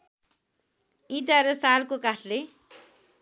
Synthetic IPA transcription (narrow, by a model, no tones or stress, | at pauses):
it̪aɾʌsalkokaʈʰle